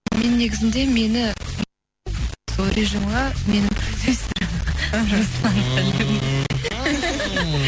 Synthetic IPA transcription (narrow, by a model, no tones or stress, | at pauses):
me̞nːe̞ɡʲɪzɪnd̪e̞me̞nɪ | soɾeʒimʁɑme̞nɪmt̪ʰɵzest̪ɪɾɾosɑnt̪ʰælem